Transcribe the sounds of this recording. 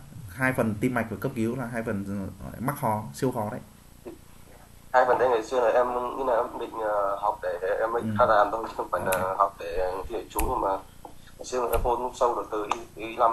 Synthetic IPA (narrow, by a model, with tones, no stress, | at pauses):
ɦaː˧jfə˨˩nt̪i˧mːa˨˩k̟̚vəː˨˩kə˦˥p̚ki˨˦wlaː˨˩ɦaː˧jfə˨˩nː˧˩ma˦˥k̚xɔ˨˦si˧əwxɔ˨˦ɗə̰˧˨j | i˧˩ | haː˧jfə˨˩nɗe˨˧˦ŋa˨˩jsɨ˧əna˨˩ʔɛ˧m˧ɲi˧˦naː˨˩ʔɓḭ̈˧˨ŋ̟ə˨˩ha˨˩wk͡p̚ɗe˧˩e˨˧˩ʔɛ˧mːə˧˦˨xaː˧˦laː˨˩mt̪ʰo˧jt͡ɕi˧˦xə˧ŋ͡mfaː˧˩jlaː˨˩hɔ˨˩wk͡p̚ɗe˧˩˨t̪i˧˩e˧˩t͡ɕu˨˦ɲɨ˧ŋmaː˨˩˨ | sɨ˧əna˨˩ʔɛ˧mko˧n̚˦˥sə˧wɗɨ˨˩ək̚t̪ɨ˨˩ʔi˨˦ʔi˨˦la˧m